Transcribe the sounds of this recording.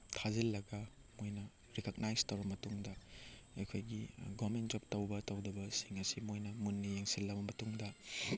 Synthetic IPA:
tʰazilːɐɡɐ | mojnɐ | ɾikɐk̚najstɐwbɐmɐtuŋdɐejkʰojɡiɡomentd͡ʒɔp̚tɐwbɐtɐwdɐbɐsiŋɐsimojnɐmunːijeŋsilːɐbɐmɐtuŋdɐ

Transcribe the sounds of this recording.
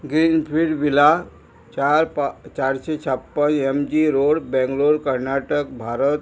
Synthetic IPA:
ɡɾinpʰiɖʋila | t͡ʃaɾpt͡ʃaɾset͡ʃʰəpːənemd͡ʒiɾoɽbɛ̃ŋɡloɽkəɾnaʈəkbʱaːɾət̪

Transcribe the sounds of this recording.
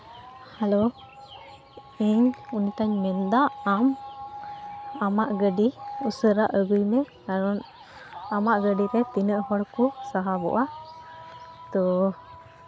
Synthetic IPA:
halo | ɛɲunit̪aɲmɛnd̪aːm | amaʔɡəɖiusəɾaʔəɡɯjmɛkaɾɔn | amaʔɡəɖiɾɛt̪inəʔhɔɽkusaɦabɔ̰ʔa | t̪ɔ

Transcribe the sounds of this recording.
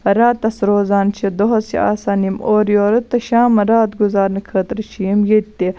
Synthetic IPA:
ɐɾaːt̪ɐsɾoːzaːnt͡ʃʰed̪oɦɐsḭa̰ːsaːnimoːɾjoːɾɐt̪ːɐʃaːmɐɾaːt̪ɡuzaːɾnɐkʰɐːt̪ɾɐt͡ʃʰijimjet̪ːe

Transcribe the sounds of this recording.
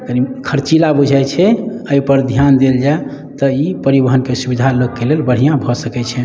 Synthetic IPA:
əɡəɾikʰəɾt͡ʃilabud͡ʒʱajt͡ʃʰɛəipəɾd̪ʱjand̪eld͡ʒae | t̪ɔipəɾibəɦənkesubid̪ʱalokːelelbəɽ̤ijãbʱɔsəkɛt͡ʃʰɛ

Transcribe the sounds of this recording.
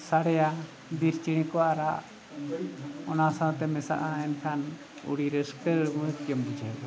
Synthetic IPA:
saɽɛja | d̪iɾt͡ʃiɽ̃ĩkɔaɾaʔ | ɔnasãt̪ɛmɛsa̰ʔaɛnkʰan | ṵɽiɾəskəmut̪kjəmbud͡ʒʱad̪ɔ

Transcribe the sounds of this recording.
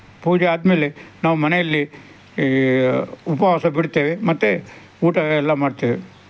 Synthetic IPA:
puːd͡ʒeaːd̪meːlenaːʋumɐnejɐlːi | upɐʋaːsɐbiɽt̪e̞ːʋemɐt̪ːe | uːʈɐɛlːɐmaːɖt̪eːʋe

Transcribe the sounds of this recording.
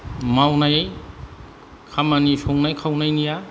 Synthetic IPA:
mawnaj | kʰamɐnisoŋnajkʰawnajnija

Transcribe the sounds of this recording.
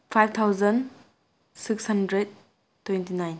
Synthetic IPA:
pʰajb̚t̪ʰawzən | sikshandɾed̚ | tʰːwentinajn

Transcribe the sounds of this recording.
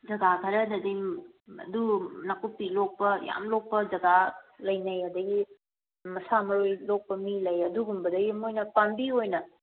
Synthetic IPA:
d͡ʒɐɡakʰɐɾɐdɐdim | ɐ̰dunɐkupːilok̚pɐja̰mlok̚pɐd͡ʒɐɡalɐjnɐjɐdɐɡi | mɐsamɐɾojlok̚pɐmilɐjɐduɡumbɐdɐɡimojnɐpambiojnɐ

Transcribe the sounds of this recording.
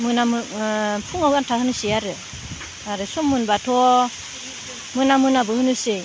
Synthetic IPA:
mɯnampʰuŋawantʰakhɯnɯseaɾɯ | aɾɯsɔmːɯnbatʰɔ | mɯnamɯnabɯhɯnɯse

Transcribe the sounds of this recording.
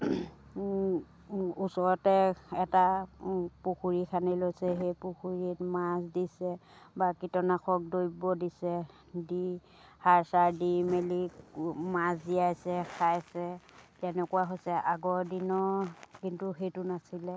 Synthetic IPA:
usɔɹɔtɛɛta | puxuɹikʰanilojsɛɦejpuxuɹitmasdisɛbakitɔnaxʰɔk̚dojbɔdisɛ | di | haɹsaɹdimelimazdiajsɛxʰajsɛtɛnɛkuwaɦojsɛʔaɡɔɹdinɔkintuxetunasilɛ

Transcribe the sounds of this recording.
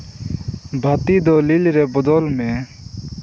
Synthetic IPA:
bʱət̪iːd̪oːlilɾeːbʊd̪oːlmẽː

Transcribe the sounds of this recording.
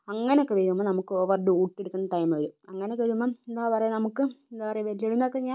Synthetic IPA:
ɐŋːɐneokːeʋeɣumːɐnɐmukːɨoʋɐrɖɨuːʈːeɽukːɐɳːɐʈɐjmɐʋɐɾuɐŋːɐneokːeʋeumːɐend̪aːpɐrɐjunɐmukːɨed̪aːpɐrɐjʋɐlijeɽunːɐokːeɲaːn

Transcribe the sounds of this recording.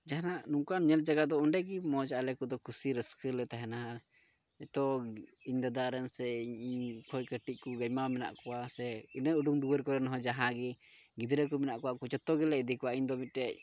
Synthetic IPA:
d͡ʒaɦanaʔnuŋkaɲɛld͡ʒaɡat̪̚d̪ɔuɳɖɛɡimɔd͡ʒaalɛkud̪ɔkʰusiɾəskəlɛt̪aɦɛna | ɛt̪ɔiɲd̪ad̪aɾɛnsɛiɲiɲkʰɔjkəʈiʔ̚ˀkuɡajmamɛna̰ʔkɔwasɛinəuɖuŋd̪uwəɾkɔɾɛnɦɔd͡ʒaɦaɡɛ | ɡid̪ɾək̬umɛnaʔkɔwaʔkut͡ʃɔt̪ɔɡɛlɛid̪ikɔwaʔiɲd̪ɔmit̪̚ɾɛʔ̚

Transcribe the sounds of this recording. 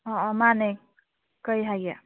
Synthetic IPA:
ɔmane | kʌjɦaɡa

